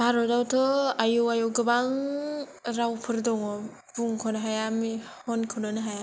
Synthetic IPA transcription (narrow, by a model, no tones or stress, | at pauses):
bʱaɾɔdawtʰɔajuwajuɡɯbaŋ | ɾawpʰɯɾdɔŋɔ | buŋkʰɔnɔɦajamihɔnkʰɯnɔnɯɦaja